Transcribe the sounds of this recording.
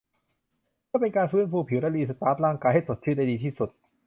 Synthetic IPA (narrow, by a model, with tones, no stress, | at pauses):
kʰaː˥˩pe˧nkaː˧nfɯː˦˥˨npuː˧˩pʰi˨˩˦wɾaː˧liː˧˩sa˧˩p̪aː˦˥t̪̚laː˥˩ŋkaː˧jɦa˥˩so˨˩t̪̚t͡ɕʰɯː˥˩da˧˩diː˧t̪ʰiː˥˩su˨˩t̪̚